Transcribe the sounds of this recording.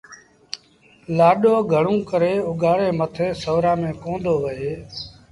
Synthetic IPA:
laːɗoːɡʱəɳũːkəɾeːʊɡaːɽeːmət̪ʰeːsəʋɾãːmẽːkõːnd̪oːʋəɦeː

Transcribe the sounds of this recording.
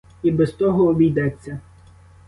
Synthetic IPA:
ibɛst̪ɔɦɔːbʲijd̪ɛt͡sʲːɐ

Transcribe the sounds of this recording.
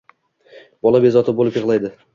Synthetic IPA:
b̥ɒlˠabe̞zɒt̪ʰɪbolɪpjɨʁlˠajd̪ɪ

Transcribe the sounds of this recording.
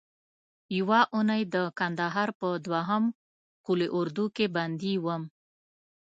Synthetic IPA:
jəwɑʔunajd̪əkand̪aɦɑɾpəd̪waɦəm | kuleʔʊɾd̪ukeband̪iwəm

